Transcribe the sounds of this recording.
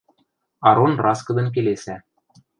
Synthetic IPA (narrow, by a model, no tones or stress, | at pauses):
ɑɾonrɑskɤ̆d̪ɤ̆nk̬elesæ